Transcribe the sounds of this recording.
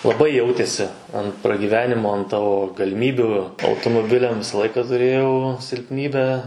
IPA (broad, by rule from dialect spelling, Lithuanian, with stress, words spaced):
lˠɐˈbɐɪ ˈjɛʊtʲeːsʲɪ ɐn prɐɡʲiːˈʋʲæːnʲɪmoː ɐn ˈtɑːʋoː ɡɐlʲɪˈmʲiːbʲuː ɐʊtoːmoːˈbʲɪlʲɛm ˈʋʲɪsɐ ˈlˠɐɪkɐ tʊˈrʲeːjɛʊ sʲɪlʲpʲˈnʲiːbʲæː